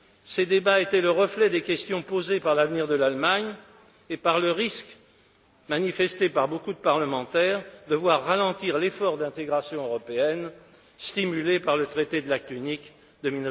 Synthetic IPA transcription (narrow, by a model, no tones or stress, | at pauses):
sed̪ebaet̪ɛləʁəflɛd̪ekʲɛst̪jɔ̃pozepaʁlavniʁd̪əlalmaɲ | epaʁləʁisk | manifɛst̪epaʁbokud̪əpaʁləmɑ̃t̪ɛʁd̪əvwaʁːalɑ̃t̪iʁlefɔʁd̪ɛ̃t̪eɡʁasjɔ̃øʁɔpeɛn | st̪imylepaʁlət̪χet̪ed̪əlak̚t̪ynik | d̪əmiln